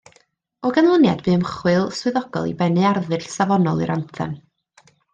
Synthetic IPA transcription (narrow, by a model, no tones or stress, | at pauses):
ɔɡanlˠənja̰dbɨːmχwɨlˠswɨðɔɡ̥ɔ̰lˠḭbɛnɨarðɨɬsavɔnɔlˠḭɾʔantʰɛ̰n